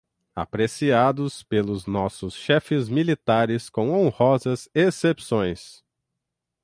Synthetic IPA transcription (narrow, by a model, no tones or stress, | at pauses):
a̰pɾesiad̪ʊspelʊznɔsʊsʃɛfɪzmilit̪aɾɪskõw̃õhɔzɐzesepsõj̃s